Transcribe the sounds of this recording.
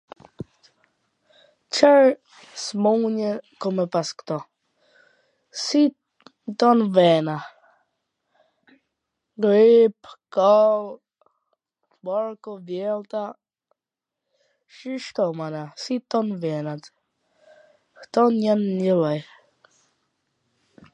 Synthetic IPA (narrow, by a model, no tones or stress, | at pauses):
t͡ʃʰɛɹ | smuɲəkɔmɛpaskt̪ɔ | si | t̪ɔnvɛna | ɡɾipkɔl | bɔɹkɔvjɛlt̪a | ʃiʃt̪ɔmanasit̪ɔnvɛnat̪ | ht̪ɔnjanːəlaj